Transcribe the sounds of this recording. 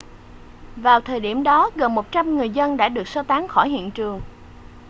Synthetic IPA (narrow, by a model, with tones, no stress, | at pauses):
vaː˨˩wt̪ʰəː˨˩jɗi˧˩əmɗɔ˨˦ɣə˨˩nmo˨˩t̚t͡ɕa˧mŋɨ˨˩əjzə˧nɗa̰ː˧˥ɗɨ˨˩ək̚səː˧t̪aː˨˦ŋxɔ˧˩jhḭ˧˨ənt͡ɕɨ˨˩əŋ